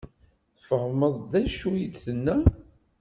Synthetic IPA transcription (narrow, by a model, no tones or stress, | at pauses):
fəʁməðˤðæʃujid̪θənːæ